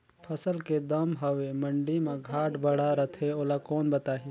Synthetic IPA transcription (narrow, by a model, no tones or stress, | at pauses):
pʰəsəlked̪əmɦəʋeməɳɖimẽɡʱaːʈbəɽaɾət̪ʰeoːlakoːnbɐt̪aːɦi